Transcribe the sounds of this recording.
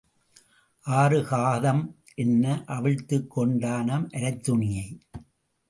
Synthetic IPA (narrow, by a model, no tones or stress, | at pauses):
ʔaːrɯɣaːðɐm | ʔɛnːɐʔɐʋɪɻt̪ːɯkːɔɳɖaːnɐmʔɐɾɐɪt̪ːʊɳɪjɐɪ